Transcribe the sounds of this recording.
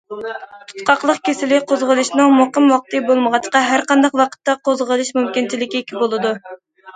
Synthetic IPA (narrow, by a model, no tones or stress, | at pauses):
t̪ʰu̥t̪qɑqlˠəqkʲʰesɪlɪqʰozʁəlˠɨʃnɨŋmoqəmwɑq̚t̪ʰɨbolˠməʁɑt͡ʃqɑɦæɾqɑnd̪ɑqwɑqʰə̥t̪ːɑqʰozʁəlˠɨʃmumkʲint͡ʃilɪkʲiekʲʰibolˠɨd̪u